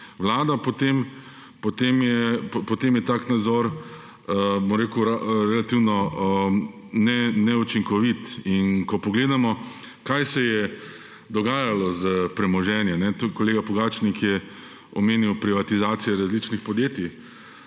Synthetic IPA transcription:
ʋlaːd̪apɔt̪em | pot̪emjɛpɔt̪eːmjɛt̪aːknad̪zɔɾ | əbomɾeːkuɾɾɛlat̪iwnɔə | nɛnɛut͡ʃiŋkɔʋit̪inkɔpɔɡleːd̪amɔ | kajsɛjɛ | d̪ɔɡaːjalɔzəpɾɛmɔʒɛːnjɛnɛt̪kɔleːɡapɔɡaːt͡ʃnikjɛ | ɔmeːniwpɾiʋat̪izaːt̪sijɛɾazlit͡ʃnixpɔd̪jeːt̪i

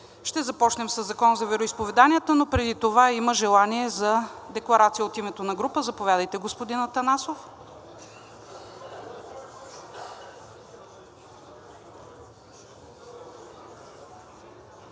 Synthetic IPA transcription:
ʃt̪ɛzɐpɔt͡ʃnɛmsɐzːɐkɔnzɐvɛɾoispovɛd̪anijət̪ənopɾɛd̪it̪ovaiməʒɛlˠaniɛzɐd̪ɛklˠɐɾat̪sijəot̪imɛt̪onɐɡɾupəzɐpovʲad̪əjt̪ɛɡospod̪inɐt̪ɐnasof

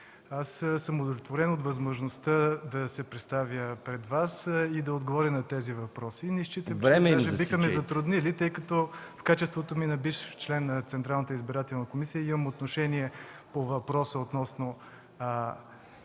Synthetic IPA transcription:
assəmod̪olʲɛt̪voɾɛnot̪vɐzmoʒnost̪əd̪ɐsɛpɾɛt̪st̪avʲjəpɾɛd̪vasid̪ɐod̪ɡovɔɾʲənɐt̪ɛzivɐpɾɔsinɛʃt͡ʃit̪ɛmɾɛmɛaʒɛbixəmɛzɐt̪ɾʊd̪nilit̪ɤjkɐt̪ɔ | fkat͡ʃɛst̪vot̪ominɐbiʃft͡ʃlɛnːɐt̪sɛnt̪ɾalˠnət̪əizbiɾat̪ɛlˠnəkomisijəimɐmot̪noʃɛniɛpovɐpɾɔsəot̪nɔsno

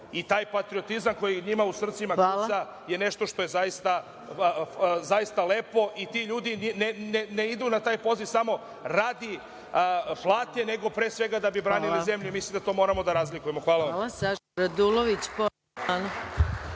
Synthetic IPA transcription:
it̪aːjpat̪ɾiot̪izamko̞jiɲimausr̩t̪simaɡusa | je̞ne̞ʃt̪o̞ʃt̪o̞je̞zajist̪a | zaist̪ale̞ːpo̞ʔit̪iʎuːd̪inineneneid̪unat̪aːjpo̞ziʋsamo̞ | ɾaːd̪i | plˠaːt̪ɲene̞ɡo̞pɾe̞ːsʋe̞ɡad̪abibɾaːnlillize̞mʎumislimd̪at̪o̞mo̞ːɾamo̞d̪aɾazlikuje̞mo̞xʋaːlaamaɾad̪uloʋit͡ɕ | an

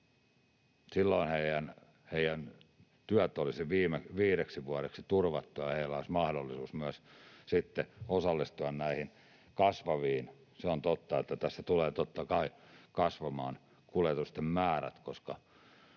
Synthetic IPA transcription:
silːoinheijæn | heijæn | t̪yæt̪ːolisiʋiːmeʋiːɾeksiʋuɑɾeksit̪urʋɑt̪ːujɑheilːoismɑhdolːisuːsmyæssit̪ːeosɑlːist̪uɑnnæihin | kɑsʋɑʋiːn | seont̪ot̪ːɑet̪ːæt̪æsːæt̪uleːt̪ot̪ːɑkɑi | kɑsʋɑmɑːn | kuljet̪ust̪emmæːræ̰t̪koskɑ

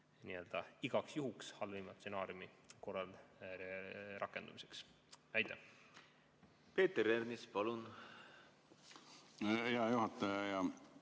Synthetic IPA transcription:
niø̞ld̪̥ɑiɡ̥ɑksjuɦukshɑlvimɑt̪senɑːrjumi | ko̞rːɑl | rʔɑkːˑe̞nd̪umise̥ks | æjt̪ˑːæ | pe̞ːt̪eɾeɾnispɑlun | iɑjuɦɑt̪ːˑɑjɑjɑ

